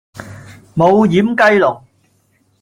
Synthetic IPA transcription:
mo˨˧wjiː˨˥mkɐ˥jlʊ˨˩ŋ̚

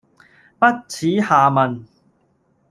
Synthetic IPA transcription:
pɐ˥t̚t͡sʰiː˨˥haː˨˩mɐ˨n

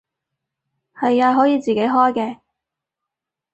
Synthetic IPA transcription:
hɐ˨jːaː˧ɦɔː˨˥jiː˨˧t͡siː˨˩ke˨˥jɦɔː˥jkɛː˧

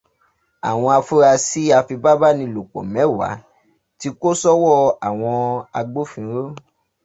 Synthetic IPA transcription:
a̰˨w̃ɔ̃˧a˧fu˦ɾa˧si˦a˧fi˧ba˦ba˦nĩ˧lo˨k͡pɔ̰̃˨mɛ̃˨˦˨wa̰˨˦ | ti˧˦ko˦sɔ˦wɔ˦˨a˨w̃ɔ̃˧a˧ɡ͡bo˦fĩ˧˦ɾo˦

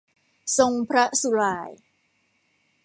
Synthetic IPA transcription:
so˧ŋpʰɾa˦˥su˧laː˧j

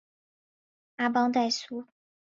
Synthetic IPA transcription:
a˥bɑ˥ŋt̪a˥˩ɪsu˥

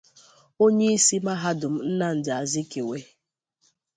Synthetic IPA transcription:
o˦ɲe˦i˦si˦ma˦ɦa˦dʊ˨m̩˦n̩˦na˦n̩˨dɪ˨a˨zɪ˦ke˨we˦

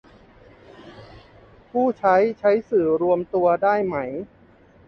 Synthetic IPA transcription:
pʰuː˥˩t͡ɕʰa˦˥jt͡ɕʰa˦˥jsɯː˨˩ɾu˧əmt̪u˧ɐdaː˥˩jma˦˥j

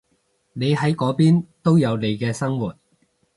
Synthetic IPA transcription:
ne˨˧jɦɐ˨˥jkɔː˨˥piː˥nt̪o˥wjɐ˨˧wle˨˧jkɛː˧sɐ˥ŋwuː˨t̚

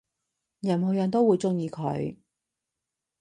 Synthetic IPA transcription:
jɐ˨˩nho˨˩wjɐ˨˩nt̪o˥wuː˨˧jt͡sʊ˥ŋjiː˧kʰɵ̰˨˧ɥ

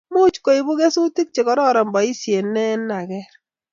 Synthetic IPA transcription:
mu˦t͡ʃko˦i˨bu˦ɣe˦su˦ti˦k̚t͡ʃe˨kɔ˨˦ɾɔ˦ɾɔ˨mbɔ˨i˦sje˨nɛ˦na˨kɛ˦ɾ

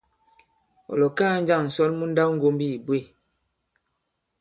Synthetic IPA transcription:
ɔ̰˨lɔ˨kaː˦n̩˦d͡ʒa˦˨ŋn̩˨sɔ˦lmu˦n̩˦da˦wŋ̩˦ɡo˦mbi˦i˨bwe˦˨

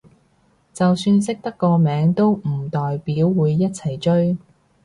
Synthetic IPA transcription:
t͡sɐ˨wsyː˧nsɪ˥k̚t̪ɐ˥kːɔː˧mɛː˨˥ŋt̪o˥wm̩˨˩t̪ɔː˨jpiː˨˥wːuː˨˧jːɐ˥t̚t͡sʰɐ˨˩jt͡ʃɵ˥ɥ

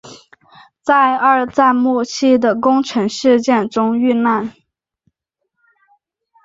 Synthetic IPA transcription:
t͡sa˥˧ɪa˞˥˧t͡sa˥˧ɪmu˥˧t͡ɕʰi˥˩d̪ə˩kʊ˥ŋʈ͡ʂʰɤ˧˥ŋʂɻ̩˥˧t͡ɕjɛ˥˩nʈ͡ʂʊ˥ŋy˥˧na˥˩n

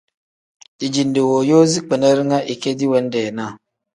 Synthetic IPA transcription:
d̥i˨d͡ʒi˨nde˨wo˨jo˦zi˦k͡pe˨nə˦ɾi˦ŋa˦ʔi˨ke˦di˦we˨˦n˦de˨na˦˨

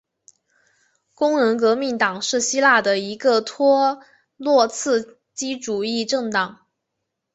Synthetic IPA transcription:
kʊ˥ŋnə˧˥nkɤ˧˥mi˧˥ŋt̪ɑ˨˩ŋʂɻ̩˥˩ɕi˥la˥˩d̪ə˩i˧˥ɡə˧t̪ʰwɔ˥ | lwɔ˥˧t͡sʰɹ̩˥˩ | t͡ɕi˥ʈ͡ʂu˨˩i˥˧ʈ͡ʂɤ˥˩ŋt̪ɑ˨˩˦ŋ

